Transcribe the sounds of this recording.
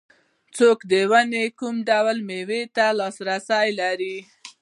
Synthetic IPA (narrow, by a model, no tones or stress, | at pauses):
t͡sokd̪əwanekumɖawlmewet̪alɑsɾasajlaɾi